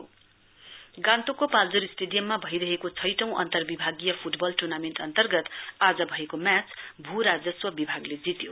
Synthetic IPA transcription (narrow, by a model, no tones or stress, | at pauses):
ɡãnt̪okopald͡zuɾisʈeɖijʌmːabʱʌjɾʌɦekot͡sʰʌjʈʌ̃w̃ʔʌ̰nt̪ʌrbibʱaɡijʌpʰuʈbʌlʈurnameɳʈʌnt̪ʌrɡʌt̪ad͡zʌbʱʌekomjat͡sbʱuɾad͡zʌswʌbibʱaɡled͡zit̪jo